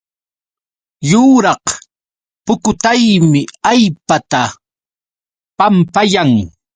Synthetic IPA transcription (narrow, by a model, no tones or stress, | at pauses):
jʊːɾɑq | pʊkʊt̪ajmɪajpat̪a | pampajaŋ